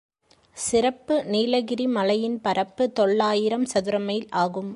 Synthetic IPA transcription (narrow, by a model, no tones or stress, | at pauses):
sɪɾɐpːɯniːlɐɣɪɾimɐlɐjɪnpɐɾɐpːɯt̪ɔɭːaːjɪɾɐmsɐðɯɾɐmɐjɪlaːɣɯm